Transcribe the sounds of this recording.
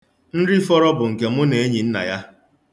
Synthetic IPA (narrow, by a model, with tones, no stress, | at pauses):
n̩˦ɾi˦fɔ˦ɾɔ˦bʊ˨ŋ̩˨ke˨mʊ˦ne˨e˦ɲi˨n̩˦na̰˨ja˦